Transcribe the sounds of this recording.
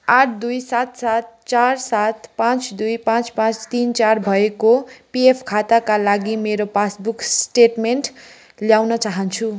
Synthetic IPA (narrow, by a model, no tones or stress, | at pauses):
aʈʰd̪ujsat̪sat̪̚t͡sarsat̪pãt͡sd̪ujpãt͡spãt͡st̪int͡sarbʱʌekopiepʰkʰat̪akalaɡimeɾopasbuksʈeʈmeɳʈ | ljawnʌt͡saɦʌnt͡sʰu